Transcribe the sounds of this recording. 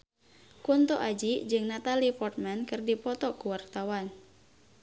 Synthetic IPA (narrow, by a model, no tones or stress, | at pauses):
kunt̪ɔʔad͡ʒid͡ʒɨŋnat̪alipɔrt̪̚mɛnkɨrdipɔt̪ɔkuwart̪awan